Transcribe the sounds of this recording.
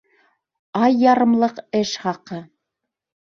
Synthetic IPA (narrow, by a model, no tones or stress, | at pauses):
ɑjːɑɾɤ̆mlˠɤqɘʃχɑqɤ